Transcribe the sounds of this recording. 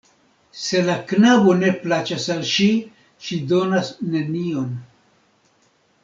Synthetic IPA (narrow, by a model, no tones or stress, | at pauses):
se̞laknabo̞ne̞plat͡ʃasalʃi | ʃido̞nasne̞nio̞n